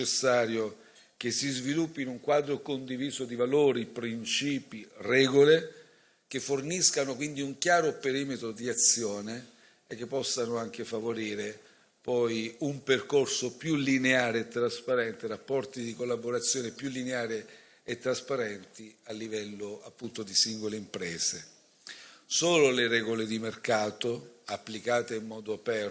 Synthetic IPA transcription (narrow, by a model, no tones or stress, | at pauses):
esːaːɾjo | k̟esːizvilupːinuŋkwaːd̪ɾokond̪iviːzod̪ivaloːɾipɾint͡ʃiːpirɛːɡole | k̟efːorniskanokwind̪iuŋkjaːɾopeɾiːmet̪ɾod̪iat̪sːjoːne | ek̟ːepːɔsːanoaŋk̟ʰefavoɾiːɾe | pɔjumperkorsopjulineaːɾeːt̪ːɾaspaɾɛnt̪erapːɔrt̪id̪ikolːaboɾat̪sːjoːnepjulːineaːɾe | et̪ːɾaspaɾɛnt̪ialːivɛlːoapːunt̪od̪isiŋɡoleimpɾɛːze | soːloleɾɛːɡoled̪imerkaːt̪oapːlikaːt̪eimːɔːd̪oapɛr